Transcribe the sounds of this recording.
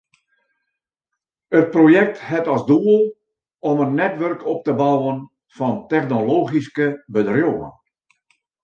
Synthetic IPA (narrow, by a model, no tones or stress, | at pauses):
ət̚projɛk̚thɛtɑsduəlˠ | ɔmənːɛtʋœrkɔp̚təbawən | fɑntɛxnoloːɣiskəbədrjoə̰n